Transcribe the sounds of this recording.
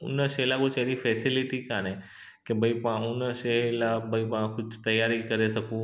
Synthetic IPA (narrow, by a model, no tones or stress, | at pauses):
ʊ̰nəʃeːlakʊt͡ʃeːɾifʰɛːsɪlɪʈikaːñẽ | kebʱəipãʊnəʃelabʱɐipãkʊd͡ʒt̪ɐjaːɾikɐɾesɐkũ